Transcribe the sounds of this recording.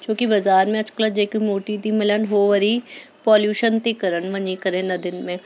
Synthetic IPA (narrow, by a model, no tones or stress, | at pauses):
t͡ʃõːkibɐzaːɾmẽɐt͡ʃkləd͡ʒeːkimoːʈit̪imɪlənɦoːʋɐɾi | pɔːljuːʃənt̪ekɐɾənʋɐ̃ɲikɐɾẽnɐd̪ɪnmẽː